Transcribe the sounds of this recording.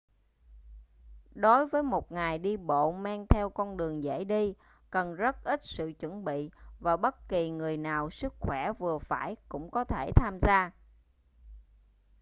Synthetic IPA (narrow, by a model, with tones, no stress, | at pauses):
ɗo˨˦jvəː˨˦jmo˨˩t̚ŋaː˨˩jɗi˧ɓo̰˧˨maː˧ŋt̪ʰɛ˧wkɔ˧nɗɨ˨˩əŋzə̰˧˥jɗi˧ | kə˨˩nzə˦˥t̚ʔi˦˥t̚sɨ̰˧˨t͡ɕwə˧˩nɓḭ˧˨vaː˨˩ɓə˦˥t̚ki˨˩ŋɨ˨˩əjnaː˨˩wsɨ˦˥k̚xwɛ˧˩vɨ˨˩əfaː˧˩jkʊ̰˧˥ŋ͡mkɔ˨˦t̪ʰe˧˩t̪ʰaː˧mzaː˧